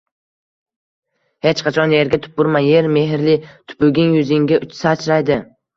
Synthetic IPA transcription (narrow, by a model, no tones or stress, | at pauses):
he̞t͡ʃqʰɑt͡ʃʰɒnje̞ɾɡʲat̪ʰʊ̥pːʊɾmanje̞ɾme̞ɦɪɾlɪt̪ʰʊ̥pɵɡʲɪŋjʊzɪŋɡʲaʊt͡ʃsat͡ʃʰɾajd̪ɪ